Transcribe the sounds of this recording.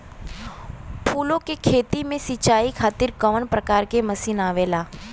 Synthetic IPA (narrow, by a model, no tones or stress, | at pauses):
pʰuːlõkekʰeːt̪imẽsit͡ʃaːikʰaːt̪ɪɾkɐʋənpɾəkaːɾkemɐsinaːʋeːlaː